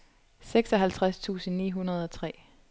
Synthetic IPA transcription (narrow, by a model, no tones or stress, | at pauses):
seɡ̥sɒ̽ɦælt͡sʰʁast͡sʰṵːsn̩nḭːɦunɐð̞ˠɒ̽t͡sʰʁɛ̰ː